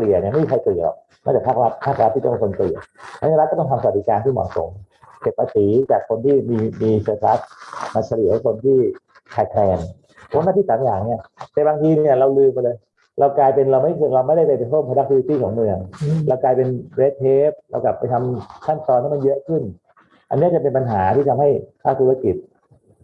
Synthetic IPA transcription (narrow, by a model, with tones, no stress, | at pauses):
li˨˩əni˥˩ma˥˩mi˧kʰa˧jkli˨˩lɔ̰ː˨˩k̚ | ma˧˩t͡ɕa˨˩pʰa˦˥˩k̚ɾa˦˥t̪̚pʰaː˥˩k̚ɾa˦˥t̪̚ʰiː˥˩t̪ɔ˥˩pa˧˩kʰo˧n˧klḭ˨˩a̰˧˥na˧ɾ̚kːɔ˥˩t̪ɔ˥˩ŋt̪ʰmsa˧w̪̚di˦˧kaː˧nt̪ʰiː˥˩mɔ̰˨˩so̰˩˦m | ke˨˩p̚ːaː˧siː˨˩˦t͡ɕaː˨˩kʰːo˧nt̪ʰiː˥˩miː˧miː˧sɤː˧t̪ʰla˦˥t̚ma˧nsʰa˧li˨˩˦kʰo˧nt̪ʰiː˥˩ | k̪ʰaː˨˩jk̪ʰlɛː˧n | pʰo˦˥naː˥˩t̪ʰi˥˩saː˨˦mjaː˨˩ŋni˥˩ɐt̪ɛː˨˩baː˧ŋt̪ʰiː˧ni˥˩ɐɾa˧wlɯː˧ma˧lɤː˧j | ɾa˧wklaː˧jpe˧nɾa˧wma˥˩jɾa˧wma˥˩jda˥˩pa˧˩pa˧jt̪ʰoː˥˩mpʰa˧a˦˥k̪̚ʰu˧i˧t̪iː˥˩kʰɔː˩˦ŋmɯ˧əŋɾa˧wklaː˧jpe˧nwe˦˥t̪̚ʰeː˦˥p̚ɾa̰˧wka˨˩pːa˧jt̪ʰa˧mkʰa˥˩nt̪ɔː˧nt̪ʰa˥˩ma˧jɤ˦˥ʔkʰɯ˥˩n | ʔa˧nːi˦˥ɐ˨˩t͡ɕa˨˩p̬e˧npa˧nɦaː˩˦t̪ʰiː˥˩t̪ʰa˧mha˥˩jpʰaː˥˩t̪ʰuː˧˩a˧ki˨˩t̪̚